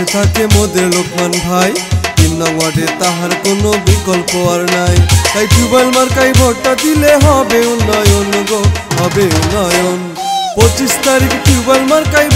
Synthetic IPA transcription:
et̪ʰakemod̪elokmanbʱajt̪inːɔɡwaɖet̪aɦaɾkonobikɔlpoʌɾnajk̪ajʈubalmaɾkajbʱɔɡ̚ʈad̪ileɦʌbeunʌjonloɡoɦɔbeunʌjon | pɔt͡ʃist̪aɾikʈubalmaɾkaj

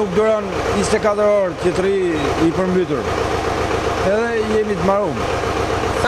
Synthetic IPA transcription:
uk̚d̪uɾɔn | ist̪ɛkat̪əɾɔɾt̪ət̪ɾiipəɾmbyt̪uɾ | ɛðɛjɛmit̪̬maɾum

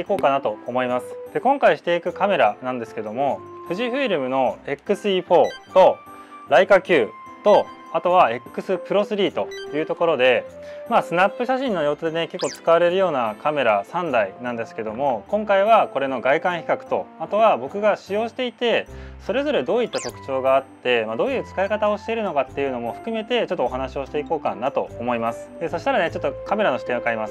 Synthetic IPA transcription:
eiko̞ːkanat̪o̞ːmo̞imasɨ̥d̪̥e̞kõ̞ŋkaiɕi̥t̪e̞ikɯ̟kame̞ɾanãnd̪e̞sɨ̥ke̞d̪o̞mo̞ɸɯ̟ʑiɸɯ̟iɾɯ̟mɯ̟no̞e̞kːɯ̟sɨiɸo̞ːt̪o̞ | ɾaikakʲɨː | t̪o̞ | at̪o̞β̞ae̞kːɯ̟sɨpɯ̟ɾo̞sɨɾʲiːt̪o̞jɯ̟ːt̪o̞ko̞ɾo̞d̪e̞maːsɨnapːɯ̟ɕaɕĩnːo̞jo̞ːt̪od̪e̞neke̞kːo̞t͡sɨ̥kaβaɾe̞ɾɯ̟jo̞ːnakame̞ɾasãnd̪ainãnd̪e̞sɨ̥ke̞d̪o̞mo̞kõ̞ŋkaiβ̞ako̞ɾe̞no̞ɡaikãɰ̃çi̥kakɯ̟̥t̪o̞̰at̪o̞β̞abo̞kɯ̟ɡaɕijo̞ːɕi̥t̪e̞it̪e̞so̞ɾe̞zo̞ɾe̞d̪o̞ːit̪ːat̪o̞kɯ̟̥t͡ɕo̞ːɡaːt̪ːe̞mad̪o̞ːjɯ̟ːt͡sɨ̥kaekat̪ao̞ɕi̥t̪e̞iɾɯ̟nokat̪ːe̞jɯ̟no̞mo̞ɸɯ̟̥kɯ̟me̞t̪e̞t͡ɕo̞t̪ːoːɦanaɕio̞ɕi̥t̪e̞iko̞ːka̰nat̪o̞ːmo̞imasɨ̥d̪̥e̞so̞ɕit̪aɾane̞t͡ɕo̞t̪ːokame̞ɾanoɕi̥t̪ẽ̞akaimasɨ̥

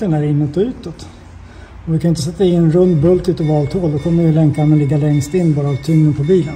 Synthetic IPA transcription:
ənæɾɪnːɔt̪ːɔʉ̟ːt̪ɔt̪ | ɔvɪkʰanʏɪnt̪əsɛt̪ːaɪnɛnɾɵnd̪bɵlt̪ʉ̟ːt̪ɔvɑːlt̪ʰhoːld̪ɔkʰɔmːəɾvɪəlɛŋk̪amɛlɪɡːalɛŋst̪ɪnːbɑːɾaːvt̪ʰɵŋnənpʰɔbiːlən

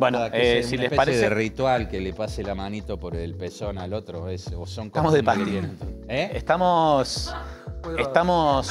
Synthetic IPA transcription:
bwenoðaessilespepaɾseeðerit̪walkelepaselamanit̪opoɾelpesonalot̪ɾoesosoŋkoamozðepaenenoeeht̪amos | eht̪amos

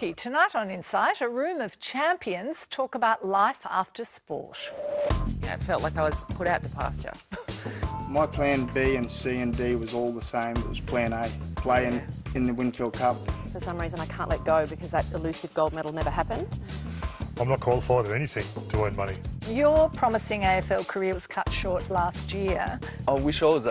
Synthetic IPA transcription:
itʰɨnaɪɾn̩ɪ̃nsaɪɾɨɹʉ̃mʌv̥t͡ʃʰæ̃mpʰiɨ̃nz̥tʰɔkəbaʊtˡlaɪfæ̰ftə˞spɔ̰ɹt | ɪ̰tfɛlˠʔˡlaɪkaɪwʌz̥pʰʊɾaʊtʰəpʰæ̰st͡ʃə̰˞ | maɪpʰl̥æ̃nbiɨ̃nsiɨ̃ndiwʌzɔlˠðəsẽɪ̃mɪ̰ʔ̚wʌ̰z̥pʰl̥æ̃neɪpʰl̥eɪɪ̃ŋɨ̃nðɨwɪ̃nfilˠd̚kʰʌp̚fə˞sʌ̃mɹizɨ̃ñaɪkʰæ̃nʔlɛt̚ɡ̥oʊbɨkʰʌzðɨɾɨlʉsɨvɡoʊlˠd̚mɛɾl̩ˠnɛvə˞ɦæpɨ̃nd̥ | ãɪmnət̚kʰw̥ɑlˠəfaɪɾʌvɛniθɪ̃ŋtʰəẽɪ̃nmʌnijə˞pʰɹ̥ɑməsɪ̃ŋeɪɛfɛlˠkʰə˞ɪəʌz̥kʰʌtʃɔɹtˡlæst̚jɪaɪwɪʃɔz

